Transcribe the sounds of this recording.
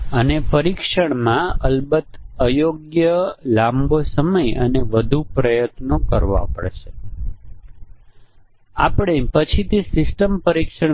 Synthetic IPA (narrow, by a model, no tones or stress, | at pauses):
ənepəɾikʃəɳmãəlbət̪əjoɡjəlambʱosəməjəneʋəd̪ʱupɾəjət̪nokəɾʋã̰pə̰ɭʃe | a̰pɽ̃epət͡ʃʰit̪esɪsʈəmpəɾikʃəɳ